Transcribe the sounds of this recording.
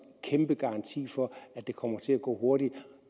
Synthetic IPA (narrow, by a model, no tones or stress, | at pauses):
kʰemb̥əɡ̥ɑ̈ɑ̈nt͡sʰḭːfɒ̽æd̥e̝kʰɒ̽m̰ɐt͡sʰe̝læɡ̥ɔ̰ːɦo̝ɐ̰ɾi̥